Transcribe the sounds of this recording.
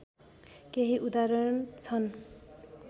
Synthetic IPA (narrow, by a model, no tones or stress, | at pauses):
keɦiʔud̪aɾʌɾnt͡sʰʌn